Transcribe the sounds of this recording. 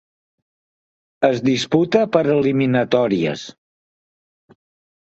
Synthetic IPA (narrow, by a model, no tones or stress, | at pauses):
əzðisput̪əpəɾəliminət̪ɔɾiə̰s